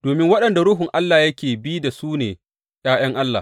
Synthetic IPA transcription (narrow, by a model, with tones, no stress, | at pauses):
d̥oː˨mɪ˦ŋwɐ˦ɗɐ˨nda˨ɽʊ˦ɦʊ˨ŋʔa˦lːaː˨jɐ˦kʲeː˨biː˦da˨suː˦nḛː˨ | j̰aː˦j̰ɐ˦ŋʔa˦lːaː˨